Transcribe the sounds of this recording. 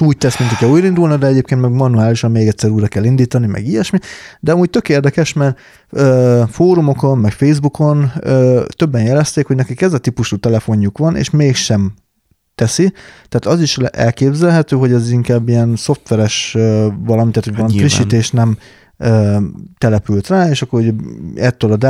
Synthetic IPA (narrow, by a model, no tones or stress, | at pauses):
uːc̚t̪ɛsmint̪ikːɛluːjɾind̪ulnid̪ɛɛɟeːp̚keːnt̪mɛɡmɒnuaːliʃɒmmeːɡɛtʲsɛɾuːjɾɒkɛlːind̪iːt̪ɒnimɛ̰ɡijɛʃmid̪ɛɒmuːc̚t̪økeːrd̪ɛkɛʃmɛr | øːfoːɾumo̞ko̞mmɛkfejzbukʰo̞nøːt̪ø̞bːɛnjɛlɛst̪eːkhoɟnɛkikɛzɛt̪ipuʃuːt̪ɛlɛfo̞ɲːukʋɒnḛːʃmeːkʃɛm | t̪ɛsit̪aːt̪ɒziʃʔɛ̰lkeːbzɛlɦɛt̪øːɦo̞ɟɛziŋkaːbːijɛnso̞ft̪ʋɛɾɛʃøvɒlɒmit̪ːaːt̪hoɟvɒlɒmifɾiʃːit̪eːʃnɛm | øːt̪ɛlɛpylt̪raːeːʃɒkːo̞ɾuɟɛt̪ːøːlɒd̪